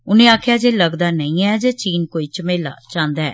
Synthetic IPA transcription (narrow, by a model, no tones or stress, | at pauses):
ʊnẽːaːkʰjaːd͡ʒeːləɡd̪aːnəĩːɛːd͡ʒeːt͡ʃiːnkoːiːt͡ʃəmeːla̰ːt͡ʃãːnd̪aːɛ̰ː